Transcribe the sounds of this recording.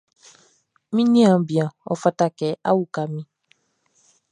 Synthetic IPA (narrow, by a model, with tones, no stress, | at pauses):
mĩ˦nĩ˦ã˨bĩ˨ã˨ɔ̰˨fa˦ta˦kɛ˦a̰˦wu˦ka˨mĩ˦